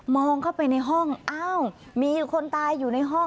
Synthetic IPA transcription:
mɔː˧ŋkʰa˥˩wpa˧jna˧jɦɔ˥˩ŋʔaː˧˩w | miː˧kʰo˧nt̪aː˧jːuː˨˩na˧jɦɔ˥˩ŋ

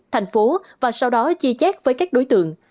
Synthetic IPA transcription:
t̪ʰɛ˨˩jŋ̟fo˨˦vaː˨˩sa˧wɗɔ˨˦zi˧t͡ɕɛː˦˥k̚vəː˨˦jkaː˦˥k̚ɗo˨˦jt̪ɨ̰˧˨əŋ

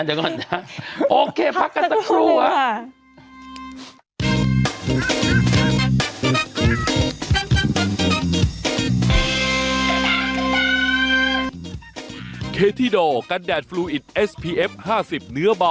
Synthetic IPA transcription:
na˨˩kɔ˨˩naʔoː˧kʰeː˧pʰa˦˥kːa˧t̪a˧kʰluː˧a˧˩ | kʰeː˧t̪ʰiː˧˩doː˨˩ka˧ndɛː˨˩t̪̚fluː˧ʔi˨˩t̪̚ʔe˦˥spʰiː˧ʔe˦˥p̚haː˥˩si˨˩p̚nɯ˦˥ɐbɔ˧

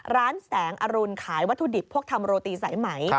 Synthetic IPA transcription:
ɾaː˦˥nsɛː˩˦ŋʔa˧ɾu˧nkʰaː˩˦jwa˦˥t̪ʰːu˧di˨˩pʰːu˥˩əkt̪ʰa˧mɾoː˧t̪iː˧sa˩˦jma˩˦j

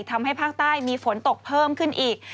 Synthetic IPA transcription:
k̚t̪ʰa˧mha˥˩jpʰaː˥˩k̚t̪aː˥˩jmiː˧fo˩˦nt̪o˨˩k̚pʰɤː˥˩mkʰɯ˥˩nʔiː˨˩k̚

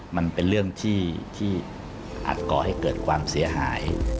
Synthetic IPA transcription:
ma˧npe˧nɾɯ˥˩əŋt̪ʰiː˥˩t̪ʰiː˥˩ | ʔa̰ː˨˩t̪̚kɔː˨˩ha˥˩jkɤː˨˩t̪̚kʰwaː˧msi˩˦ɐɦa̰ː˩˦j

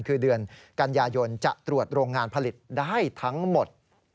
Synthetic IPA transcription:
nkʰɯː˧dɯ˧ənka˧njaː˧jo˧nt͡ɕa̰˨˩ʔt̪ɾu˨˩ət̪̚ɾoː˧ŋːaː˧npʰa˧li˨˩t̪̚daː˥˩jt̪ʰa˦˥ŋmo˨˩t̪̚

